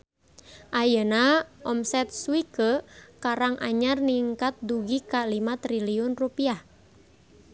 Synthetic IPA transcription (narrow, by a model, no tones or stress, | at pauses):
ʔajənaʔɔmsɛt̪̚suwikəkaɾaŋʔa̰ɲarniŋkat̪̚duɡikalimat̪ɾiliʊnrupiah